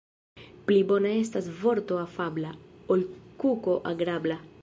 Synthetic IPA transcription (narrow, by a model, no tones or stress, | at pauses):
plibo̞nae̞stasvo̞ɾt̪o̞afablaolkuko̞ʔaɡɾabla